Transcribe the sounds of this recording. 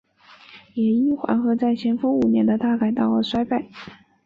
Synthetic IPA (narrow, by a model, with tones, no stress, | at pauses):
jɛ˨˩i˥˩xwa̰˧˥nxɤ˧˥t͡sa˥˩ɪɕjɛ˧˥nfu˥ŋu˨˩njɛ̰˧˥nd̪ə˧t̪a˥˩ka˨˩ɪt̪ɑ˥˩ʊə˩swa˥ɪpa˥˩ɪ